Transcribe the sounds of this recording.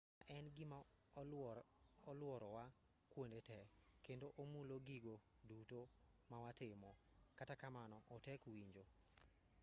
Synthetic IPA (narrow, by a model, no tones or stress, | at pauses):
aʔɛnɡɪma | ɔlwɔɾɔwa | kwondetɛ | kendoʔomuloɡiɡo | duto | mawatɪmɔ | katakamanɔʔɔtɛkwiɲd͡ʒo